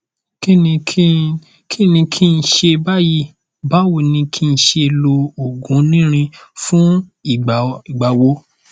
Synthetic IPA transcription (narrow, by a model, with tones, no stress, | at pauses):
ki˦ĩ˧˦ | kʰi˦nĩ˧kʰi˦˧n̩˨ʃe˧ba˦ji˦ | ba˦wo˨nĩ˧kʰi˦n̩˨ʃe˧lo˧o˨ɡũ˨˦nĩ˦ɾ̃ĩ˧fũ˦i˨i˨ɡ͡ba˨wo˧˦